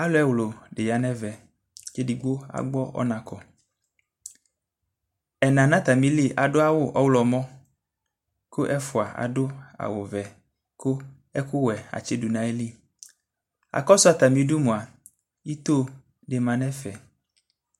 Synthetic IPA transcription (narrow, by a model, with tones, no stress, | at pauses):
a˦lo˨˦ɛ˦wlo˨ɖɪ˨ja˨nɛ̃˦vɛ˨ | t͡ʃe˦di˨ɡ͡bo˦a̰˨ɡ͡bɔ˦ɔ̰˦nã˨kɔ˨ | ɛ˨nã˨nã˦t̪a˨mĩ˦li˦ʔa˨ɖʊ˦a˦wʊ˦ʔɔ˦wlɔ˨mɔ̃˦ | kʊ˦ʔɛ˦fʊ˨a̰˨a̰˨ɖʊ˦a̰˨wʊ˨vɛ˨ | kʊ˦ | ɛ˦kʊ˦wɛ˨a̰˨t͡ʃe˦du˨nã˨e˦li˦ | a̰˨kɔ˦sʊ˦a˨t̪a˨mĩ˨˦du˦mõ˨a˨ | i˦t̪o˦ | ɖe˨mã˨nɛ̃˦fɛ˨